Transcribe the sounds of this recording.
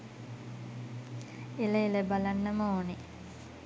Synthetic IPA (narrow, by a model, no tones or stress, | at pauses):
eləeləbalanːəməoːne